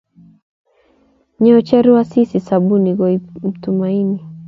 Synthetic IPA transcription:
ɲɛɔt͡ʃɛɾiwasisisabuniɣɔim̩tumaini

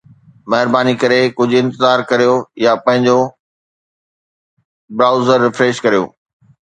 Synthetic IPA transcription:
mɐɦɪɾbaːnikɐɾekʊd͡ʑʱɪ̃nt̪ɪzaːɾkɐɾijojapɐ̃ɦɪ̃ɲd͡ʑo | bɾaːʊzəɾːɪfɾeːʃkɐɾijo̰ː

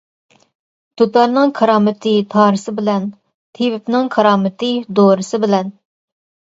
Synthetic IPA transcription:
t̪ʰot̪ɑɾnɨŋkʰɑɾɑːmɪt̪ʰɨt̪ʰɑːɾɨsɨbɪlɛn | t̪ʰewɪpnɪŋkʰɑɾɑːmɪt̪ʰɨd̪oɾɨsɨbɪlɛn

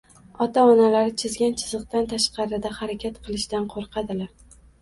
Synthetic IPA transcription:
ɒt̪ʰaɒnalaɾɪt͡ʃʰɪzɡʲant͡ʃʰɪzɨq̚t̪ant̪ʰaʃqɑɾɪd̪ahaɾakʲat̪qʰɨlˠɪʃd̪anqʰoɾqʰɑd̪ɪlaɾ

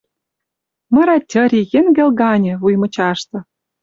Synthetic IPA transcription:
mɤ̆ɾɑt̪ʲːə̆ɾʲijĕnɡĕlɡɑnʲĕvujmɤ̆t͡ɕɑʃt̪ɤ̆

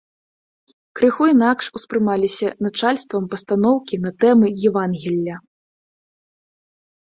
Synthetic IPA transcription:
kɾɨxuinakʂuspɾɨmalʲisʲɐnɐt͡ʂalʲst̪vɐmpɐst̪anɔwkʲinɐt̪ɛmɨjɛvanɣʲilʲːɐ

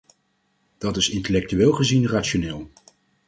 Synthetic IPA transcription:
d̥ɑtɪsɪntəlɛk̚tyʋɪːlˠχəzinraːtʃonɪːlˠ

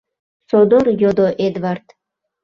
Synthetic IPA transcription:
sod̪oɾjod̪oʔed̪vart̪

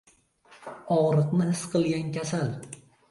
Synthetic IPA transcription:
ɒʁɾɨqnɪhɪsqʰɨlˠɡʲankʲasal

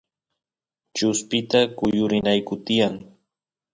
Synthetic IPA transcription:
t͡ʃʊspɪt̪akʊjʊɾɪnajkʊt̪ɪjaŋ

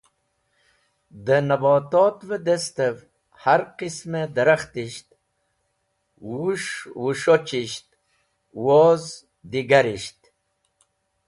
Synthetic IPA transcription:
d̪ənɐboːt̪oːt̪vəd̪est̪ev | haɾqismed̪əɾaxt̪iʃt̪̚ | wuʂwuʂot͡ɕiʃt̪̚ | woz | d̪iɡaɾiʃt̪

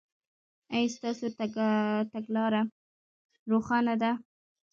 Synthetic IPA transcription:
ajst̪ɑsot̪t̪aɡlɑɾa | ɾoxɑnad̪a

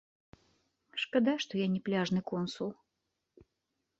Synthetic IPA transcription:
ʂkad̪aʂt̪ɔjanʲɛplʲaʐnɨkɔnsulˠ

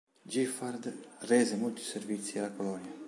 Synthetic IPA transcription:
d͡ʒifaɾd̪rɛːzemolt̪i̥servit̪sːialakolɔnja

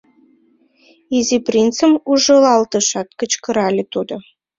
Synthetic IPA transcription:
iziprint͡səmuʒɤ̆lɑlt̪əʃɑt̪kə̆t͡ɕkə̆ɾɑlʲet̪ud̪o

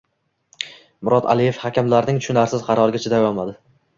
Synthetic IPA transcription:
mʊɾɒt̪a̰lɪjefhakʲamlaɾnɪŋt̪ʰʊ̥ʃʊnaɾsɪzqʰɑɾɒɾɡʲat͡ʃʰɪd̪ajɒlˠmad̪ɪ

